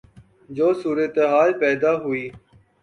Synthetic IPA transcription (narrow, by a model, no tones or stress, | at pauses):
d͡ʒoːsuːɾət̪eɦaːlpɛːd̪aːɦʊiː